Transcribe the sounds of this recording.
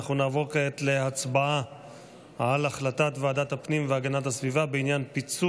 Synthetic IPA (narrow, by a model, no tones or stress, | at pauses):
χunaːvo̞ʁkeet̪leat͡sbaa | alaχlatatveadat̪hapnimveaɡanatasvivabeinjanpit͡su